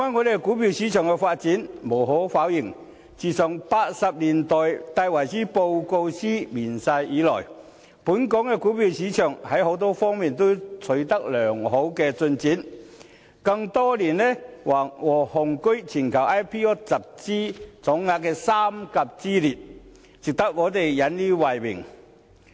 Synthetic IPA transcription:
waː˧˥nŋɔ˨˧ɾe˨˩kuː˨˥pi˧wsiː˨˥t͡ʃʰœː˨˩ŋkɛ˧faː˧t̚t͡siː˨˥nmo˨˩wɦɔ˨˥faː˨˥wjɪ˨˩ŋ | t͡siː˨˩sœː˨˩ŋpaː˧t̚sɐ˨p̚liː˨˩nt̪ɔː˨jt̪aː˧jwɐ˨˩jsiː˥po˧wko˧wsiː˥miː˨˩nsɐ˧jiː˨˧˥lɔ̰ː˨˩j | puː˨˥nkɔ˨˥ŋkɛ˧kuː˨˥piː˧wsiː˨˥t͡ʃʰœː˨˩ŋhɐ˨˥jho˨˥wt̪̬ɔː˥fɔː˥ŋmiː˨nt̪o˥wt͡sʰɵ˨˥ɥt̪ɐ˥k̚lœː˨˩ŋɦo˨˥wkɛː˧t͡sɵ˧nt͡siː˨˥n | kɐ˧ŋt̪ɔː˥liː˨˩nlɛː˥waː˨˩wɔː˨˩hʊ˨˩ŋkɵ˥ɥt͡sʰiː˨˩nkʰɐ˨˩wʔaː˥jpʰiː˥ɔː˥t͡sɐ˨p̚t͡siː˥t͡sɔː˨˥ŋːaː˧k̚kɛː˧saː˥mkɐ˨p̚t͡siː˥liː˨˩t̚ | t͡sɪ˨k̚t̪ɐ˥k̚ŋɔː˨˧˥t̪e˨jjɐ˨˥nliː˥waː˨jwɪ̰˨˩ŋ

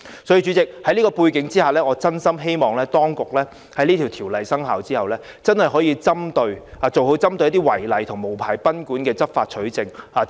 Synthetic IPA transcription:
sɔː˨˥jiː˧t͡ʃy˨˧t͡sɪ˨k̚hɐ˨˥jliː˥kɔː˧puː˧jkɪ˨˥ŋt͡siː˥haː˨lɛː˥ŋɔː˨˧t͡sɐ˥nsɐ˥mɦe˥jmɔː˨ŋlɛː˥t̪ɔː˥ŋkʊ˨k̚lɛː˥ | hɐ˨˥jliː˥t̪ʰi˨˩wt̪ʰiː˨˩wlɐ˨jsɐ˥ŋɦaː˨wt͡siː˥hɐ˨wlɛː˥ | t͡sɐ˥nhɐ˨˩jhɦɔː˨˥jiː˧t͡sɐ˥mt̪ɵ˧ɥaː˨t͡so˨who˨˧˥wt͡sɐ˥mt̪ɵ˧jɐ˥t̪̬iː˥wɐ˨˩jlɐ˨jt̪ʰʊ˨˩ŋmo˨˩wpʰaː˨˩jpɐ˥nkuː˨˥nkɛː˧t͡sɐ˥p̚faː˧t̚t͡ʃʰɵ˨˥ɥt͡sɪ˨ŋaː˨

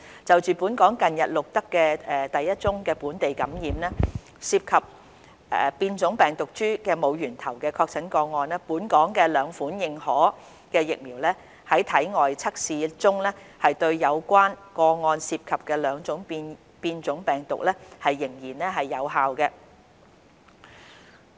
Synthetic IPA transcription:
t͡sɐ˨wt͡ʃyː˨puː˨˥nkɔː˨˥ŋkɐ˨njɐ˨t̚lʊ˨k̚t̪ɐ˥kːɛː˧ɛː˨t̪ɐ˨jːɐ˥t̚t͡sʊ˥ŋkɛː˧puː˨˥nt̪e˨jkɐ˨˥mjiː˨mnɛː˥ | siː˧p̚kʰɐ˨p̚ | ɛ̰˨˧piː˧nt͡sʊ˨˥ŋpɛː˨ŋt̪ʊ˨k̚t͡ʃyː˥kɛː˧mo˨˧wjyː˨˩nt̪ʰɐ˨˩wkɛː˧kʰɔː˧k̚t͡sʰɐ˨˥nkɔː˧ŋɔː˧nɛː˥puː˨˥nkɔː˨˥ŋkɛː˧lœː˨˧ŋfuː˨˥njɪ˨ŋhɔː˨˥ | kɛː˧jɪ˨k̚miː˨˩wlɛ˥ | hɐ˨˥jt̪ʰɐ˨˥jŋɔː˨jt͡sʰɐ˥k̚siː˨˧t͡sʊ˥ŋlɛ˥hɐ˨jt̪ɵ˧ɥjɐ˨˧wkʷaː˥nkɔː˧ŋɔː˧nsiː˧p̚kʰɐ˨p̚kɛː˧lœː˨˧ŋt͡sʊ˨˥ŋpː | piː˧nt͡sʊ˨˥ŋpɛː˨˩ŋt̪ʊ̰˨k̚lɛ˥hɐ˨jːɪ˨˩ŋjiː˨˩nɛ˥ɦɐ˨jːɐ˨˧wɦaː˨wkɛ˧

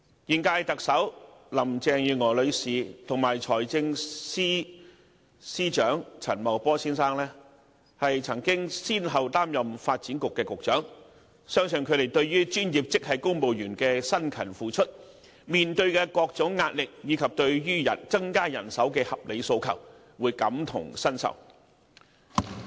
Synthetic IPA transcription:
jiː˨nkaː˧jt̪ɐ˨k̚sɐ˨˥wlɐ˨˩mt͡sɛː˨˧ŋjyː˨˧ŋɔː˨˩lɵ˨˧ɥsiː˨t̪ʰʊ˨˩ŋmaː˨˩jt͡ʃʰɔː˨˩jt͡sɪ˧ŋsiː˥ | siː˥t͡ʃœː˨˥ŋt͡sʰɐ̰˨˩nmɐ˨˩wpɔː˥siː˥nsaː˥ŋlɛː˥ | hɐ˨jt͡sʰɐ˨˩ŋkɪ˥ŋsiː˥nɦɐ˨wt̪aː˥mjɐ˨mfaː˧t̚t͡siː˨˥nkʊ˨kːɛː˧kʊ˨k̚t͡ʃœː˨˥ŋ | sœː˥ŋsɵ˨nkʰɵ˨˧t̪e˨jt̪ɵ˧ɥjyː˥t͡ʃyː˥njiː˨p̚t͡sɪ˥k̚hɐ˨jkʊ˥ŋpo˨wjyː˨˩nkɛː˧sɐ˥nkʰɐ˨˩nfuː˨t͡ʃʰɵ˥t̚ | miː˨nt̪ɵ˧ɥkɛː˧kɔː˧k̚t͡sʊ˨˥ŋːaː˧t̚lɪ˨k̚jiː˨˧kʰɐ˨p̚t̪ɵ˧ɥjyː˥jɐ̰˨˩nt͡sɐ˥ŋkaː˥jɐ˨˩nsɐ˨˥wkɛː˧hɐ˨p̚lʔe˨˧jso˧wkʰɐ̰˨˩w | wuː˨˧jkɐ˨˥mt̪ʰʊ̰˨˩ŋsɐ˥nsɐ̰˨˩w

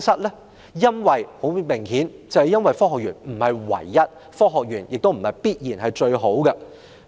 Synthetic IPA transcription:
sɐ˥t̚lɛː˥ | jɐ˥nwɐ˨jho˨˥wmɪ˨˩ŋhiː˨˥nt͡sɐ˨whɐ˨jɐ˥nwɐ˨jfɔː˥hɔː˨k̚jyː˨˩nm̩˨˩hɐ˨jwɐ̰˨˩jːɐ˥t̚ | fɔː˥ɦɔː˨k̚jyː˨˩njɪ˨k̚t̪o˥m̩˨˩hɐ˨˩jpiː˥t̚jiː˨˩nhɐ˨jt͡ʃɵ˧ɥɦo˨˥wkɐ˧

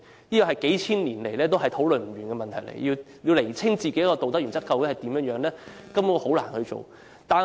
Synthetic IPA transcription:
jiː˥kɔ˨˩hɐ˨˩jke˨˥jt͡sʰiː˥nliː˨˩nle˨jlɛː˥t̪o˥wɦɐ˨jt̪ʰo˨˥wlɵ˨nm̩˨˩ɥyː˨˩nkɛː˧mɐ˨nt̪ʰɐ˨˩jlḛ˨˩jjiː˧ | jiː˧wle˨˩jt͡sʰɪ˥ŋt͡siː˨ke˨˥jkɔ˧t̪o˨wt̪ɐ˥jy˨˩nt͡sɐ˥tkːɐ˧wu˨˥hɐ˨˩jt̪iː˨˥mjœː˨˥ŋjœː˨˥ŋlɛː˥kɐ˥mu˨˥ho˨˥wla̰ː˨˩nhɵ˧t͡so̰˨w | t̪aː˨

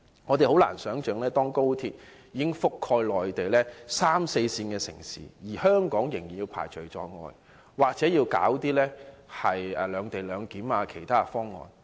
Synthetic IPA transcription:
ŋɔː˨˧t̪e˨jho˨˥wla̰ː˨˩nsœː˨˥ŋt͡ʃœː˨˧ŋlɛː˥t̪ɔː˥ŋko˥wt̪ʰiː˧t̚ | jiː˨˧kɪ˥ŋfʊ˥kʰːɔː˧jlɔː˨jt̪e˨jlɛː˥saː˥mse˧jsiː˧nkɛː˧sɪ̰˨˩ŋsḭː˨˥jiː˨˩hœː˥ŋkɔː˨˥ŋjɪ˨˩ŋjiː˨˩njiː˧wpʰa̰ː˨˩jt͡ʃʰɵ˨˩ɥt͡sɔː˧ŋɔ̰ː˧j | waː˨k̚t͡sɛː˨˥jiː˧wka̰ː˨˥wt̪iː˥lɛː˥hɐ˨jɛː˨˧lœː˨˧ŋt̪e˨˩jlœː˨˧ŋkiː˨˥maː˧kʰe˨˩jt̪ʰaː˥˧fɔː˥ŋːɔ̰ː˨˩n

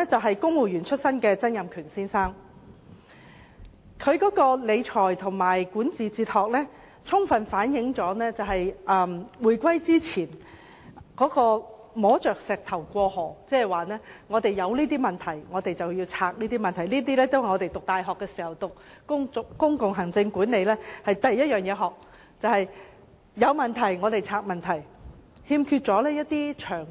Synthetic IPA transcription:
ɛ˥t͡sɐ˨wɦɐ˨jkʊ˥ŋmo˨˩jyː˨˩nt͡ʃʰɵ˥t̚sɐ˥nkɛː˧t͡sɐ˥njɐ˨mkʰyː˨˩nsiː˥nsaː˥ŋ | kʰɵ˨˧ɥkɔː˨˥kɔː˧le˨˧jt͡ʃʰɔː˨˩jt̪ʰʊ˨˩ŋmaː˨˩jkuː˨˥nt͡siː˨t͡siː˧t̚hɔː˨k̚lɛː˥ | t͡sʰʊ˥ŋfɐ˨nfaː˨˥njɪ˨˥ŋt͡sɔː˨˥nɛː˥t͡sɐ˨wɦɐ˨jʔɐː˨mwuː˨˩jkʷwɐ˥jt͡siː˥t͡sʰiː˨˩n | kɔː˨˥kɔː˧ | mɔː˨˥t͡ʃœː˨k̚sɛː˨k̚t̪ʰɐ˨˩wkʷɔː˧hɔː˨˩t͡sɛː˥hɛ˨jwaː˨˩nɛː˥ŋɔː˨˧t̪e˨jːɐ˨˧wliː˥t̪iː˥mɐ˨nt̪ʰɐ˨˩jŋɔː˨˧t̪e˨jt͡sɐ˨wjiː˧wt͡sʰaː˨˧k̚niː˥t̪iː˥mɐ˨nt̪ʰɐ˨˩jniː˥t̪̬iː˥lɛː˥t̪o˥whŋɔː˨˧e˨jt̪ʊ˨k̚t̪aː˨˧jɦɔː˨kːɛː˧siː˨˩hɐ˨˩wt̪ʊ˨k̚kʊ˥ŋ˨kʊ˥ŋkʊ˨ŋɦɐ˨˩ŋt͡sɪ˧ŋkuː˨˥ne˨˧jlɛː˥hɐ˨jt̪ɐ˨jːɐ˥t̚jœː˨ŋjɛː˨˧ɦɔː˨k̚ | t͡sɐ˨whɐ˨jː | ɐ˨˧wmɐ˨nt̪ʰɐ˨˩jŋɔː˨˧t̪e˨jt͡sʰaː˧k̚mɐ˨nt̪ʰɐ˨˩jhiː˧mkʰyː˧t̚t͡ʃt͡sɔː˨˥lɛː˥jɐ˥t̚t̪iː˥t͡ʃʰœː˨˩ŋ

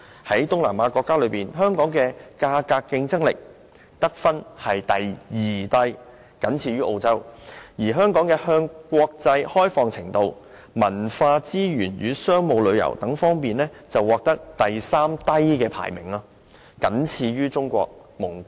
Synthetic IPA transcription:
hɐ˨˥jt̪ʊ˥ŋlaː˨˩maː˨˧kʷɔː˧kːaː˥lɵ˨˧ɥpiː˨nɦœː˥ŋkɔː˨˥ŋkɛː˧kaː˧kaː˧kːɪ˧ŋt͡sɐ˥ŋlɪ˨k̚ | t̪ɐ˥k̚fɐ˥nhɐ˨jt̪ɐ˨jjiː˨˩t̪ɐ˥j | kɐ˨˥nt͡sʰiː˧ɥyː˥ʔo˧wt͡sɐ˥wjiː˨˩ɦœː˥ŋkɔː˨˥ŋkɛː˧hœː˧ŋkʷɔː˧k̚t͡sɐ˧jhɔː˥jfɔː˧ŋt͡sʰɪ̰˨˩ŋt̪o˧w | mɐ˨˩nfaː˧t͡siː˥ɥyː˨˩nɥyː˨˧sœː˥ŋmo˨˧wlɵ˨˧ɥjɐ̰˨˩wt̪ɐ˨˥ŋfɔː˥ŋpiː˨nlɛː˥t͡sɐ˨wːɔː˨˧k̚t̪ɐ˥k̚t̪ɐ˨jsaː˥mt̪ɐ˥jkɛː˧pʰa̰ː˨˩jmɪ̰˨˩ŋaː˧ | kɐ˨˥nt͡sʰiː˧ɥyː˥t͡sʊ˥ŋkʷɔ̰ː˧k̚mʊ˨˩ŋ

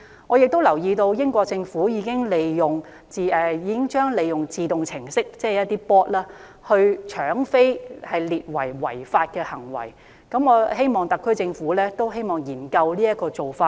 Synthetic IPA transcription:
ŋɔː˨˧jɪ˨k̚t̪o˥wlɐ˨˩wjiː˧t̪o˧wjɪ˥ŋkʷɔː˧k̚t͡sɪ˧ŋfuː˨˥jiː˨˧kɪ˥ŋle˨˧jjʊ˨ŋ | t͡si˨˧ɛ˨˧jiː˨˧kɪ˥ŋt͡ʃœː˥ŋle˨˧jjʊ˨˩ŋt͡siː˨t̪ʊ˨ŋt͡sʰɪ˨˩ŋsɪ˥k̚t͡sɛː˥˨jɐ˥t̪iː˥pɔː˥t̚laː˥ | hɵ˧ɥt͡ʃʰœː˨˥ŋfe˥jhɐ˨jliː˨t̚wɐ̰˨˩jwɐ̰˨˩jfaː˧t̚kɛː˧hɐ˨˩ŋwɐ̰˨˩j | kɐ˨˥mɔː˨˧he˥jmɔː˨˩ŋt̪ɐ˨kʰːɵ˥t͡sɪ˧ŋfuː˨˥lɛː˥t̪o˥wɦe˥jmɔː˨˩ŋjiː˨˩nkɐ˧wliː˥jɐ˥t̚kɔː˧t͡so˨wfaː˧t̚

